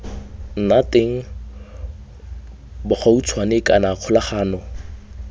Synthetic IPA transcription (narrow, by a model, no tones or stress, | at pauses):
n̩nateŋ̩ | bʊχaut͡sʰwanɪkʼanaq͡χʰʊlaχaːnɔ